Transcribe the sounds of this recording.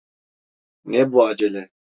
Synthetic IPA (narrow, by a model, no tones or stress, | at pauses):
nebuad͡ʒele